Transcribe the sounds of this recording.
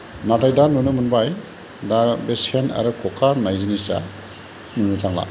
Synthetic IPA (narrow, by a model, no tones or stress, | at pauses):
natajdanunɯmɯnbaj | dabesena̰ɾɯkʰɔkʰaɾnajzinisa̰ | nunɯzaŋla̰